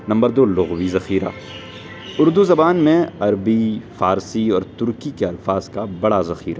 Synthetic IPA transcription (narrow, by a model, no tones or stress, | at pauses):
nɐ̃mbəɾd̪oːlʊɣwizɐxiːɾa̰ː | ʊɾd̪uzɐbaːnmẽɐɾbifaːɾsiɔːɾt̪ʊɾkikeɐlfaːzkabɐɽazɐxiːɾa̰ː